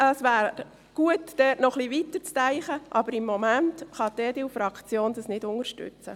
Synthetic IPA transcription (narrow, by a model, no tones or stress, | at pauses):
əsʋæːɾ | ɡ̥uətd̥ɛːtnɔχliʋitəɾt͡stæɪχəʔɑbəɾɪmːɔmæntχɑd̥̪ɛːdɪfɾɑkt͡sjoːnd̥əsnɪdʊŋəɾʃtʏ̰t͡sə̰